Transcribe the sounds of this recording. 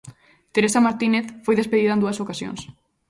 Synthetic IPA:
t̪eɾesamaɾt̪ineθfojðespeðiðaẽnd̪uɐsokasjo̰ŋs

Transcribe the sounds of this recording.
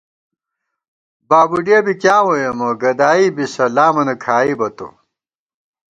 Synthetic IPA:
baːbuɖiebikjaːwojɐmɐɡɐd̪aːibisɐlaːmɐnɐkʰaːibɐt̪o̰

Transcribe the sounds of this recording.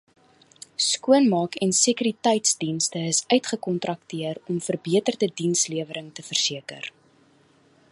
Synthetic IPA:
skuənmɑːkɛnsikyɾitɛjtsdinstəəsœɥtχəkɔntrɐk̚tiərɔmfərbiətərdədinsliəvəɾəŋtəfərsiəkə̰r

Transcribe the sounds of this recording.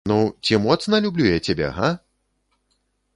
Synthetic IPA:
nut͡sʲimɔt̪snɐlʲublʲujat͡sʲabʲɛ̰ɦa

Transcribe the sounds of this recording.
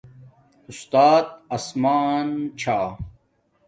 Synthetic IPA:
ust̪aːt̪ɐsmaːnt͡ɕʰaː

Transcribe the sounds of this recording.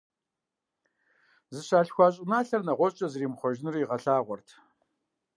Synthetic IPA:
zɨɕaːɬxʷɑːɕʼɪnaːɬɐrnɐʁʷɔt͡ʃʼɐzɨriːmχʷɔʒnɨrjiʁɐɬaːʁʷɔrtʰ

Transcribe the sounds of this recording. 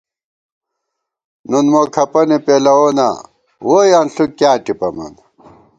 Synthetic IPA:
nunmoːkʰɐpɐnipeːlɐoːna̰ | woːjɐnɬukːjaːʈipɐmɐ̰n

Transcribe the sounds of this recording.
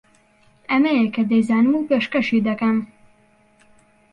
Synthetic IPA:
ɛmɛjɛkɛd̪ejzaːnɨmuːpeːʃkɛʃiːd̪ɐkɛm

